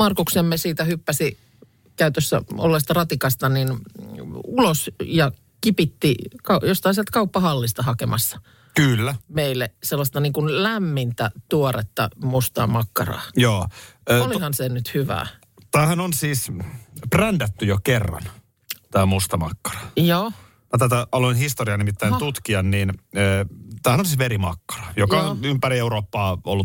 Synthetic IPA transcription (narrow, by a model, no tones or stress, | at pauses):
mɑrkuksemːesiːt̪æhypːæsi | kæyt̪øsːæ̰o̰lːest̪ɑrɑt̪ikɑst̪ɑnin | ulosjɑ | kipit̪ːikɑjost̪ɑhɑnsielt̪kɑupːɑhɑlːist̪ɑhɑkemɑsːɑ̥ | kylːæmeilːeselːɑst̪ɑniːŋkunlæmːint̪æt̪uoret̪ːɑ̰must̪ɑ̰mɑkːɑ̰rɑ̰ːjoːøːolihɑnsenyt̪hyʋæ̰ː | t̪æːhænonsiːsprændæt̪ːyjokerːɑ̰n | t̪æːmust̪ɑmɑkːɑ̥rɑ̥joː | jɑt̪æt̪æɑloinhist̪oriɑnimit̪ːæijnt̪ut̪kiɑnniːnː | t̪æːhænonsiːsʋeɾimɑkːɑ̥rɑjokɑonympæɾieuɾoːpːɑːo̰lːu